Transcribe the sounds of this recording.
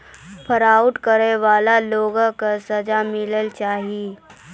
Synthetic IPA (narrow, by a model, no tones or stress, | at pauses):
pʰəɾaːʊʈkəɾeʋaːlaloːɡəkasəd͡ʒamɪləlt͡ʃaːɦii